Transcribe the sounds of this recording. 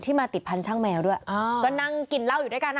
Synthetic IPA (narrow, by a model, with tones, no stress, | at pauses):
t̪ʰiː˥˩maː˧t̪i˨˩t̪̚pʰa˧nt͡ɕʰaː˥˩ŋmɛː˧wdu˥˩ɐʔːkɔː˥˩na˥˧ŋki˨˩nla˥˩wju˨˩da˥˩kaː˧nʔ